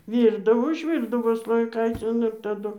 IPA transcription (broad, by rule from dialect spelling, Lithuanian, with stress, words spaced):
ˈʋʲiːrdɐʋoː ʊʒʲˈʋʲiːrdɐʋoː slˠoːjɪˈkɐɪt͡sʲɪn ɪr tɐˈdʊ